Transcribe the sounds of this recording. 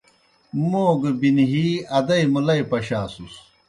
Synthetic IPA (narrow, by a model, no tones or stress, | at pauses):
moːɡɐbinɦiɐd̪ɐimulɐjpɐɕaːsus